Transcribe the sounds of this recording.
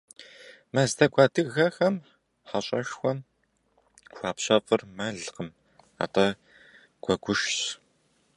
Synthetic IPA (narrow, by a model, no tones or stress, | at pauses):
mɐztʰɐɡʷaːdɨɣɐxɐm | ħaɕʼɐʃxʷɔm | xʷaːpɕɐfʼɨrmɐɮqəm | a̰ːtʰɐ | ɡʷɐɡʷʊʃɕ